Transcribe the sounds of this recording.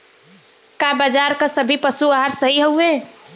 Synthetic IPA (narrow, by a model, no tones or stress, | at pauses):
kabad͡ʒaɾkəsəbʱipəsuaɦaɾsəɦiɦouẽ